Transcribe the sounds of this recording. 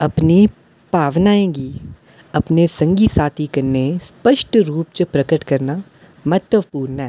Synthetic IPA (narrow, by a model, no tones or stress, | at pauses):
ɐpni | paːʋnaːẽːɡi | ɐpnesɐ̃ŋɡisaːt̪ʰikɐɾnespəʃʈɾuːp̚t͡ʃəpɾɐkəʈkɐɾna | mɐt̪ːəʋpuːɾnɦɛː